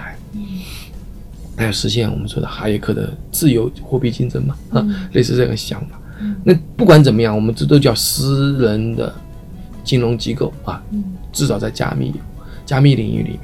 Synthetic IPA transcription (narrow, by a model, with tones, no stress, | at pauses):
a˧˥ɪ | na˥jo˨˩ʂɻ̩˧˥ɕ̬jɛ˥˩nwɔ̰˨˩mə˦nʂwɔ̰˥˧ɑ̰˧˩xa˧˥ɪjɛ˧˥kʰɤ˥˩d̪ə̰˧˩t͡sɹ̩˥˩jo˧˥ʊxwɔ˥˧pi˥˩t͡ɕi˥nʈ͡ʂə˥nmɐ˨˧le˥˧ɪʂ̬ɹ̩˥˧ɤ˥˧˩ɡə˧˩ɕjɑ̰˧˥ŋfḁ˨˩˦na˥˩pu˥˩kwa˧˥nt͡sə˨˩mə˦jɑ˥˩ŋwɔ˨˩mə˦nt̪t̪o˥ʊt͡ɕjɑ˥˩ʊsɹ̩˥ɻə˧˥nd̪ə̰˧ | t͡ɕi˥nlʊ˧˥ŋt͡ɕi˧˥ko˥˩ʊɐ˨˩ʈ͡ʂɻ̩˥˩t͡sɑ˨˩ʊt͡sa˥˩ɪt͡ɕja̰˥mḭ˥˩ | t͡ɕja˥mi˥˩li˨˩ŋy̰˥˩lḭ˨˩mj